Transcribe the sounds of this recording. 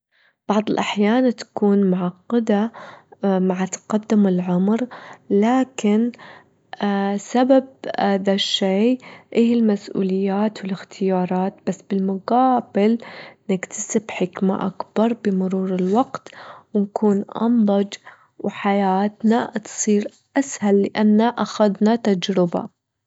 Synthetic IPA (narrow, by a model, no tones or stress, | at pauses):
b̥ɑʕðˤɪlʔaħjaːnt̪ḁkuːnmʊʕɑqːɪd̪a | maʕat̪qɑd̪ːɪmɪlʕʊmɾlaːkɪn | sababaðaʃːeːʔeːhɪlmasʔṵːlɪjːaːt̪wɪlɪxt̪ʰɪjɑːɾˤɑːt̪̚basːb̥ɪlmʊqɑːbɪlnɪkt̪ʰḁsɪbħɪkma̰ʔa̰kb̥ɑɾˤbɪmʊɾuːɾɪlwɑɡt̪wɪnkʰuːnʔɑ̰nd̪ˤɑd͡ʒ | wħajaːt̪nat̪sˤiːɾ | ʔashalːɪʔanːaʔaxad̪nat̪ad͡ʒɾɪba̰